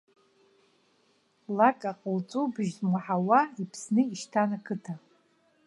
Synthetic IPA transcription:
lakʼaqʼəlt͡sʼubɨʒzmaħawaipʰsnɨiʃtʰanakʰɨtʰa

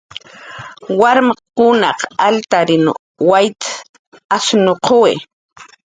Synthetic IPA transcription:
waɾmqkʊnɑqalt̪aɾɪnʊ̰ | wajt̪ | asnoqʰowḛ

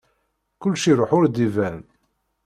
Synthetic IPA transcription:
kʊlːʃiɾˤoħʊɾd̪ivæn

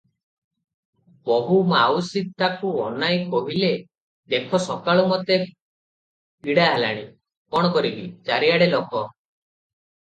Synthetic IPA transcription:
bɔɦumawsit̪ːakuɔnajkɔɦile | d̪ekʰɔsɔkaɭɔmɔt̪e | iɽaɦela̰ɽ̃i | pɔɽ̃ɔkɔɾibit͡ʃaɾiaɽelɔkɔ

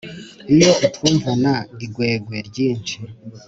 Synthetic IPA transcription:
ijoutwuɱvonaɡiɡweːɡweɟiːnt͡ʃi

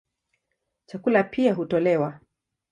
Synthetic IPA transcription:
t͡ʃakulapʰiaɦutɔlɛwa

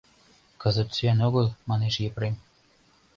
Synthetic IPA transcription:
kɤ̆zə̆t̪syænoɣɤ̆lmɑneʃjepɾem

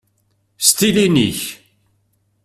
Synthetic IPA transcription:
st̪ilinḭç

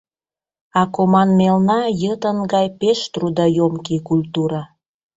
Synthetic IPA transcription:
ɑkomɑnmelnɑjət̪ənɡɑjpeʃt̪rud̪ɑjomkikulʲt̪uɾɑ

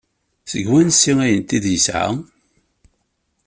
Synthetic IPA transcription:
səɡwænsːiŋæjənt̪iðjəsʕa̰

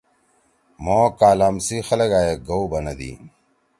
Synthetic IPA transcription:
moːkaːlaːmsixɐlɐɡaːjeɡɐwbɐnɐd̪ḭː

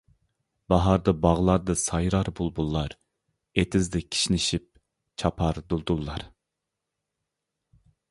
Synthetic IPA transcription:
bɑɦɑɾd̪ɑbɑʁlˠɑɾd̪ɑsɑjɾɑɾbulˠbulˠːɑɾ | et̪ʰɪzd̪ɛkʲʰi̥ʃnɪʃip̚ | t͡ʃʰɑpʰɑɾd̪ulˠd̪ulˠːɑɾ

